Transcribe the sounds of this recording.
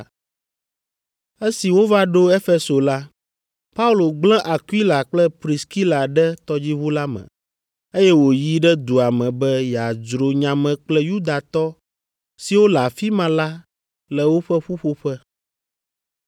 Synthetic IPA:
e˦si˨wo˦va˦ɖo˦e˦fe˦so˨la˦ | pa˦u˦lo˨ɡ͡blɛ̃˦ʔa˨kwi˦la˨k͡plɛ˦pɾi˨ski˦la˨ɖɛ˦t̪ɔ˦d͡ʑi˦βu˦la˦mɛ̰̃˨ | e˦jɛ˦wo˨ji˦ɖɛ˦d̪u˨a˨mɛ̃˨bɛ˦ja˨d͡ʒɾo˨ɲã˨mɛ̃˨k͡plɛ˦ju˦d̪a˨t̪ɔ˦ | si˨wo˦la˨fi˦mã˨la˦ | lɛ˨wo˦ɸɛ˦ɸu˦ɸo˦ɸɛ˦

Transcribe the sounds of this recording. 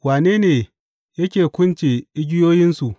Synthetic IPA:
waː˨neː˦neː˨ | jɐ˦kʲeː˨kʷʊ˦nt͡ʃe˨ʔɪ˦ɡʲɪ˦joː˦jɪ˦nsu˨ʔ

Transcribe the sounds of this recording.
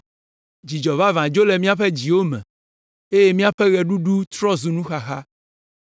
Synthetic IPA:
d͡ʑi˨d͡ʒɔ˨va˦vã˨d͡ʒo˦lɛ˨mĩ˦a˦ɸɛ˦d͡ʑi˨wo˦mɛ̰̃˨ | e˦je˦mĩ˦a˦ɸɛ˦ɣɛ˨ɖu˦ɖu˦t̪ɾɔ˦zu˨nũ˦xa˨xa˦

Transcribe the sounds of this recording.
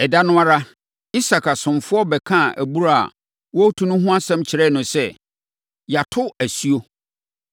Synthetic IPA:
ɛ˨da˦nʊ̃˦a˦ɾa˦ | i˦sa˨kʰa˨sʊ̃˨mfʊ˦ɔ˦bɛ˨kʰã˦˨æ̰˨bu˦ɾa˦a̰˨ | wɔ˦tʰu˦nʊ̃˦ɦʊ̃˦a˦sɛ̃˦mt͡ɕʰɪ˨ɾɛ˦˨nʊ̃˨sɛ˦ | ja˨tʰʊ˦æ˨sɥo˦

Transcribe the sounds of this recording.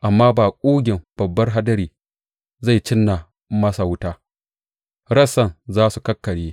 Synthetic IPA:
ʔa˨mːaː˦baː˨kʷʼoː˦ɡʲɪ˨mb̥ɐ˨bːɐ˦rɦa˦dɐ˦ɾiː˨ | za˦˨jt͡ʃɪ˦nːa˨ | mɐ˦sa˨wʊ˦taː˦ | ɽɐ˦sɐ˦˨nzaː˦su˨kɐ˦kːɐ˨ɽeː˦

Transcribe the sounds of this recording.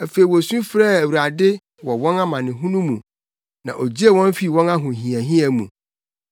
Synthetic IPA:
æ˨fe˨i˨wɔ˨sũ˦fɾɛ˦æ˨wu˨ɾa˨dɪ˦ | wɔ˨wɔ̃˦na˦mã˨nɪ̃˨ɦũ˦nũ˦mũ˨ | nã̰˨ʔo˨d͡ʑi˦e˦˨wɔ̃˦n˦fi˦˨wɔ̃˦na˦ɦʊ̃˨ɦĩ˨æ˨ɦĩ˦ɛ˨mũ˨

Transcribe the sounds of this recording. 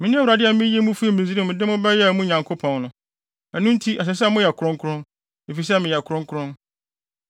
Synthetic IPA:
mɪ̃˨nɪ̃˦a˦wu˨ɾa˨dɪ˦a˨˦mɪ̃˦je˦mũ˦fu˦i˦˨mɪ̃˨zi˦ɾĩ˦˨mɪ̃˨dɪ˦mʊ̃˦bɛ˦jɛ˦˨mũ˦ɲã˨ŋkʰo˦pʰɔ̃˨nnʊ̃˨ | æ˨nʊ̃˦n˦tʰi˦ʔa˨ɕ̬ɛ˨s̬ɛ˦mʊ̃˦jɛ˨kʰʊ˨ɾʊ̃˦ŋkʰʊ˦ɾʊ̃˦n | e˨fi˨s̬ɛ˦mɪ̃˨jɛ˨kʰʊ˨ɾʊ̃˦ŋ˦kʰʊ˦ɾʊ̃˦n

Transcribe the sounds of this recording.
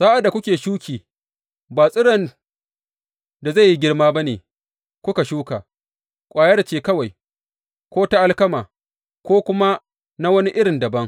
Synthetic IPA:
saː˦ʔa˨da˨kʷʊ˦kʲeː˨ʃuː˦kʲiː˨ | baː˨sʼɪ˦ɽɐ˨n | da˨za˦˨ji˦ɡʲɪ˦rmaː˦ba˦neː˨ | kʷʊ˦ka˨ʃuː˦kaː˨ | kʷʼaː˨jɐ˦ɽt͡ʃeː˦˨kɐ˦wa˨j | kʷoː˦ta˦ʔa˦lkɐ˦maː˨ | kʷoː˦kʷʊ˦ma˦ | na˦wɐ˦ni˦ʔɪ˦ɽɪ˨ndɐ˨bɐ˦ŋ

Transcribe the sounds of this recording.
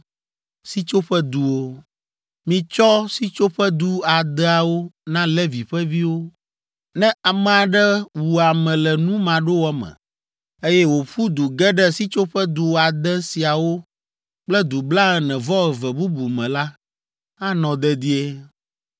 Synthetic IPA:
si˦t͡ʃo˦ɸɛ˦d̪u˨wo˦ | mĩ˨t͡ʃɔ˦si˦t͡ʃo˦ɸɛ˦d̪u˦a˨d̪ɛ˦a˨wo˦nã˦lɛ˦vi˨ɸɛ˦vi˦wo˦ | nɛ̃˦ʔa˨mɛ̃˨a˨ɖɛ˦wu˨a˨mɛ̃˨lɛ˨nũ˦mã˨ɖo˦wɔ˦mɛ̰̃˨ | e˦jɛ˦wo˨ɸu˦d̪u˨ɡɛ˦ɖɛ˦si˦t͡ʃo˦ɸɛ˦d̪u˨wa˨d̪ɛ˦si˨a˨wo˦ | k͡plɛ˦d̪u˨bla˦ɛ˨nɛ̃˨vɔ˦ɛ˨vɛ˨bu˦bu˨mɛ̃˨la˦ | a˦nɔ̃˨d̪ɛ˦d̪i˦e˦

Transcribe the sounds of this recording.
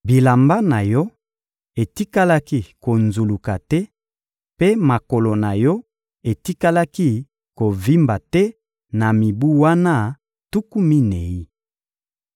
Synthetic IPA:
bi˨la˨mba˦na˨jɔ˦ | e˨ti˦ka˦la˦ki˦ko˨nzu˨lu˨ka˨tɛ˦ | pe˦ma˨ko˨lo˨na˨jɔ˦ | e˨ti˦ka˦la˦ki˦ | ko˨vi˦mba˨tɛ˦ | na˨mi˨bu˦wa˦na˦˨ | tu˦ku˦mi˦ne˨i˦

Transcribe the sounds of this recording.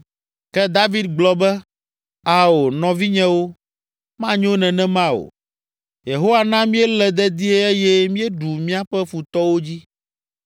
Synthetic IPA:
kɛ˦d̪a˦vi˦d̪̚ɡ͡blɔ˦bɛ˦ | a˨wo˨nɔ̃˨vi˦ɲɛ̃˦wo˦ | mã˦ɲ˦õ˦nɛ̃˨nɛ̃˦mã˦o̰˨ | je˨ɦo˦wa˨nã˦mĩ˦ɛ˦lɛ˨d̪ɛ˦d̪i˦e˦e˦jɛ˦mĩ˦ɛ˦ɖu˨mĩ˦a˦ɸɛ˦fu˨t̪ɔ˦wo˦d͡ʑi˦

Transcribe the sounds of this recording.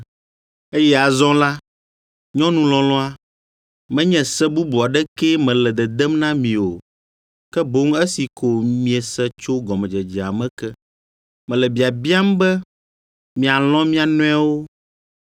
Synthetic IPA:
e˦jɛ˦a˨zɔ̃˦la˦ | ɲɔ̃˦nũ˦lɔ̃˨lɔ̃˦a˦ | mɛ̃˦ɲɛ̃˨sɛ˦bu˦bu˨a˨ɖɛ˦kɛ˦mɛ̃˨lɛ˨d̪ɛ˨d̪ɛ˦mnã˦mĩ˨o˨ | kɛ˦bo˦ŋɛ˦si˨ko˨mĩ˨˦ɛ˨sɛ˦t͡ʃo˦ɡɔ˨mɛ̃˨d͡ʒɛ˨d͡ʒi˨a̰˨mɛ̃˦kɛ˦ | mɛ̃˨lɛ˨bi˨a˨bi˦a˦m˦bɛ˦ | mĩ˨a˨lɔ̃˦mĩ˦a˨nɔ̃˦a˦wo˦

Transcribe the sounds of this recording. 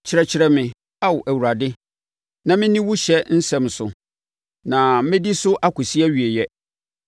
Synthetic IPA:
t͡ɕʰɪ˨ɾɛ˨t͡ɕʰɪ˨ɾɛ˦mɪ̃˨ | a˦wʔæ˨wu˨ɾa˨dɪ˦ | nã˨mɪ̃˦nĩ˦wʊ˦ɕɛ˦n̩˦sɛ̃˨msʊ̰˨ | nã˨mɪ̃˦di˦sʊ˦ʔa˦kʊ˨si˦ɛ˦ɥi˨e˨jɛ˦

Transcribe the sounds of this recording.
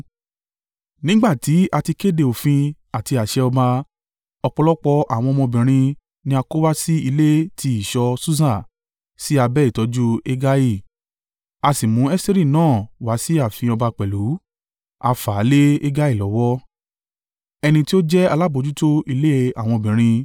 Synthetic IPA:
nĩ˦ɡ͡ba˦˨ti˨˦a˧ti˧ke˦˨de˧o˨fĩ˧ | a˨ti˧a˨ʃɛ˧ɔ˧ba˧ | ɔ˧k͡pɔ˧lɔ˦k͡pɔ˧ʔa̰˨w̃ɔ̃˧mɔ̃˧bĩ˨ɾ̃ĩ˧ | nĩ˦a˧ko˦wa˦si˦i˧le˦tʰi˧i˦˨ʃɔ˧su˦sã˦˨ | si˦a˧bɛ˦i˦˨tɔ˨˧˦d͡ʒu˦e˦ɡa˦ji˦˨ | a˧si˨mũ˨˦ɛ˦ste˦ɾi˦˨nãː˦˨wa˨˦si˦a˦˨fĩ˧ɔ˧ba˧k͡pɛ˨lu˨˦ | a˧fa˨˦le˦e˦ɡa˦i˦˨lɔ˨˦wɔ˦ | ɛ˧nĩ˧ti˦o˦d͡ʒɛ˦a˧la˦bo˧d͡ʒu˦to˦i˧le˦e˧a˨w̃ɔ̃˧o˧bĩ˨ɾ̃ĩ˧

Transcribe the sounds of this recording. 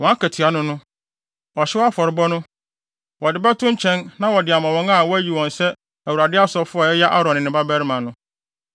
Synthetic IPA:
wɔ̃˨˦a˦kʰæ˨tʰi˨a˨nʊ̃˦nʊ̃˦ | wɔ˨ɕɪ˦wa˦fɔ˨ɾɪ˨bɔ˦nʊ̃˦ | wɔ˨dɪ˨bɛ˦tʰʊ̃˦ɲ̩˦t͡ɕʰɛ̃˦nnã˦wɔ˨dɪ˨a˨mã˨wɔ̃˦ŋa˦wɔ˦æ˦ji˨wɔ̃˨n˨sɛ˦ | æ˨wu˨ɾa˨dɪ˦a˦sɔ˦fʊ˦a˨ɛ˦ja˦ʔa˦ɾɔ̃˨nɪ̃˨nɪ̃˨ba˦bæ˦ɾɪ˦mã˨nʊ̃˦

